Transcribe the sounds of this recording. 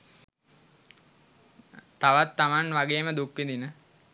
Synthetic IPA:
t̪ːaʋat̪ːamanʋaɡeːməd̪ukʋid̪inə

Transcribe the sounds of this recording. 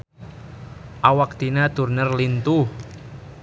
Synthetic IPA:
ʔawak̚t̪inad̪ṳrnərlint̪uh

